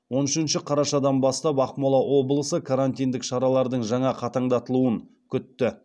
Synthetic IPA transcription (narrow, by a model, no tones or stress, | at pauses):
wo̞nʏʃɪnʃɪqʰɑɾɑʃɑd̪ɑnbɑst̪ɑpɑqmolˠɑwo̞blˠəsəkʰaɾanʲt̪ijnd̪ɪkʃɑɾɑlˠɑɾd̪əɴʒɑɴɑqʰɑt̪ɑɴd̪ɑt̪əlˠuəŋ | kʲʰʏt̪ːɪ